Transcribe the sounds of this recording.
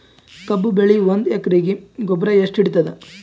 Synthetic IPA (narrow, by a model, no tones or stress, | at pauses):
kɐbːubeɭiʋond̪ekɾiːɡiɡɔbɾɐeʂʈiɽt̪ɐd̪e